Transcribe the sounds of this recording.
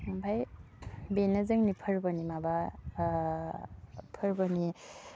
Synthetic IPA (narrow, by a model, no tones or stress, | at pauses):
bʰʱaj | benɐzɯŋnipʰɯɾbɔnimaba | pʰɯɾbɔni